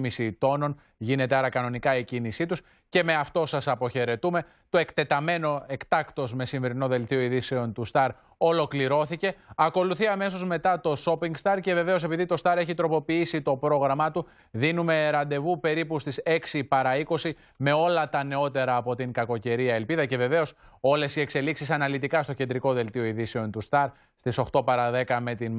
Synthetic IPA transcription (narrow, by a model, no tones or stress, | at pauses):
misit̪o̞no̞n | ʝine̞t̪eaɾɐkɐno̞nikɐicinisit̪us | ce̞me̞ɐft̪o̞sɐsɐpo̞çe̞ɾe̞t̪ume̞ | t̪oe̞kt̪e̞t̪ɐme̞no̞e̞kt̪ɐkt̪o̞zme̞siɱveɾino̞ðe̞lt̪ioiðise̞o̞nt̪ust̪ɐɾ | o̞lo̞kliɾo̞θice̞ɐko̞luθiɐme̞so̞zme̞t̪ɐt̪o̞so̞piŋɡst̪ɐɾce̞ve̞ve̞o̞se̞piðit̪o̞st̪ɐɾe̞çit̪ɾo̞po̞piisit̪o̞pɾo̞ɣɾɐmɐt̪u | ðinume̞ɾɐnd̪e̞vupe̞ɾipust̪ise̞ksipɐɾɐiko̞si | me̞o̞lɐt̪ɐne̞o̞t̪e̞ɾɐːpo̞t̪iŋkɐko̞ce̞ɾiɐe̞lpiðɐce̞ve̞ve̞o̞so̞le̞sie̞kse̞liksisɐnɐlit̪ikɐst̪o̞cend̪ɾiko̞ðe̞lt̪ioiðise̞o̞nt̪ust̪ɐɾ | st̪iso̞xt̪o̞pɐɾɐðe̞kɐme̞t̪in